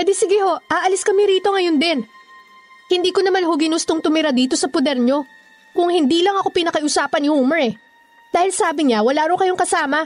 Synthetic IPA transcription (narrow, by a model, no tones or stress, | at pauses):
ɛd̪ɛsɪɡɪho̞ʔʔaːʔɐlɪskɐmɪɾiːt̪o̞ŋɐjond̪ɛn | hɪnd̪iːkonɐmanɦoɡɪnʊst̪oŋt̪ʊmɪɾad̪iːt̪o̞sɐpod̪ɛɾɲo̞ | kʊŋhɪnd̪iːlɐŋɐko̞pɪnɐkɐʔʊsaːpɐnɪhuːmɛɹɛ | d̪̥aːhɪlsaːbɪɲawɐlaːɾɐwkɐjoŋkɐsaːmɐ